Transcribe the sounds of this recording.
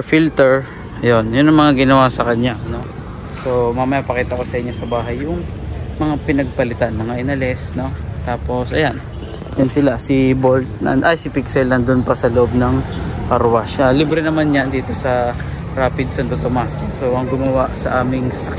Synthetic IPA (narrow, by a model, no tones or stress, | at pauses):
filt̪ɛɹ | jo̞njʊnɐŋmɐŋaɡɪnɐwasɐkɐɲano̞ | so̞mamɐjapɐkiːt̪ɐko̞sɐʔɪɲːosɐbaːɦɐjːʊŋ | mɐŋapɪnɐɡ̚pɐlɪt̪anmɐŋaʔɪnɐlɛsno̞t̪aːpo̞sʔɐjan | jʊnsɪlasɪbolt̪̚nɐ̰nʔɐjsɪpiksɛlːɐnd̪ʊnpɐsɐloʔo̞b̚nɐŋkɐɾwasalibɾɛnɐmanjand̪iːt̪o̞sɐ | ɾaːpɪd̪̚sɐnt̪ot̪omasksoʔɐŋɡʊmɐwaʔsɐ̰ʔaːmɪŋsɐsɐk